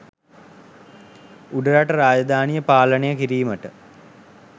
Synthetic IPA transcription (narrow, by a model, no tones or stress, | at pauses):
uɖəɾaʈəɾaːd͡ʒəd̪ʱaːnijəpaːlənəjəkiɾiːməʈə